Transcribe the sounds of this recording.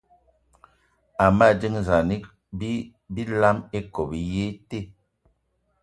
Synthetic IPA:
a˨ma˦˨di˦ŋza˨ni˦ | bi˦ | bi˦la˦me˦ko˨bi˨je˦te˦˨

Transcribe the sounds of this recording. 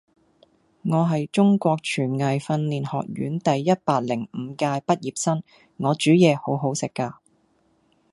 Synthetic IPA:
ŋɔː˨˧ɦɐ˨jt͡ʃʊ˥ŋkʷɔː˧k̚t͡ʃʰyː˨˩nŋɐ˨jfɐ˧nliː˨nhɔ̰ː˨k̚ɥy̰ː˨˥nt̪ɐ˨jːɐ˥t̚paː˧t̚lɪ˨˩ŋm̩˨˧kaː˧jpɐ˥t̚jiː˨p̚sɐ˥n | ŋɔː˨˧t͡ʃyː˨˥jɛː˨˧ho˨˥wɦo˨˥wsɪ˨kːaː˧

